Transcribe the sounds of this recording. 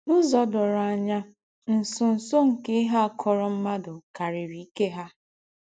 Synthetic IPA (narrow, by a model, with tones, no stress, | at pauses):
nʊ˦zɔ˦dʊ˨ɾa˨ɲa˦ | n̩˨sʊ˨n̩˨so˦ŋ̩˨ke˦ɦa˦a˨kʰɔ˨ɾɔ˦m̩˦ma˦dʊ˨ka˨ɾɪ˨ɾi˨i˦ke˦ɦa˦